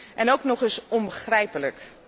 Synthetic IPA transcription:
ʔɛnowknɔχɪsɔnbəχrɛjpələk

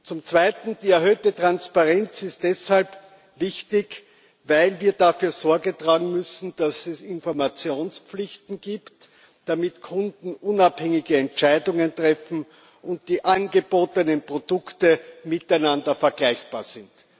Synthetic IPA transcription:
t͡sʊmt͡sv̥aɪtn̩d̥iːɛɐɦøːtətʁ̥anspaʁɛnt͡sɪst̚d̥ɛshalp | vɪçtɪç | vaɪlviːɐdafyːɐz̥ɔɐɡətʁaːɡŋ̩mʏsn̩d̥asɛsɪnfɔɐmat͡sjoːnspp͡flɪçtn̩ɡiːpt | d̥amɪtkʰʊndn̩ʔʊnaphɛŋɪɡəɛnt͡ʃaɪdʊŋəntʁ̥ɛfn̩ | ʔʊnt̚d̥iːʔanɡəboːtənənpʁ̥odʊktəmɪtæɪnãndɐfɛɐɡlæɪçb̥a̰ːɐz̥ɪnt

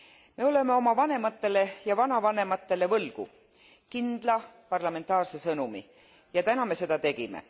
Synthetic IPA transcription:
me̞o̞le̞me̞o̞mɑvɑne̞mɑt̪ːe̞le̞jɑvɑnɑvɑne̞mɑt̪ːe̞le̞vɤlɡ̥ṵ | kind̪̥lɑpɑrlɑme̞nt̪ːˑɑːrse̞sɤnumi | jɑt̪ænɑme̞se̞d̪ɑt̪e̞ɡ̥imḛ

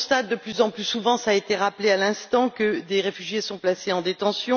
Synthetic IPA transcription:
st̪at̪̚d̪əplyzɑ̃plysuvɑ̃saːet̪eʁaplealɛ̃st̪ɑ̃kəd̪eʁefyʒjesɔ̃plaseɑ̃d̪et̪ɑ̃sjɔ̃

